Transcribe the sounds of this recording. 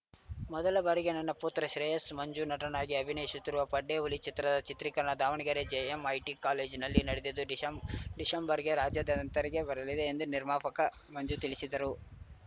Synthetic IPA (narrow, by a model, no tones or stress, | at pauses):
mɔd̪ɐlɐbɐɾiɡenɐnːɐpuːt̪ɾɐʃɾeːjɐsmɐɲd͡ʒunɐʈɐnaːɡiɐbʱineːisut̪ːiɾuʋɐpɐɖːeulit͡ʃit̪ɾɐd̪ɐt͡ʃit̪ɾikɐɾɐɳɐd̪aːʋɐɳiɡɐɾed͡ʒeemɐjʈikaːleːd͡ʒnɐlːinɐɽed̪id̪uɖɖisɐmbɐɾiɡe̞ɾaːd͡ʒjɐd̪ɐɐnt̪ɐɾiɡe̞bɐɾɐlid̪e̞ːnd̪uniɾmaːpɐkɐ | mɐɲd͡ʒut̪ilisid̪ɐɾu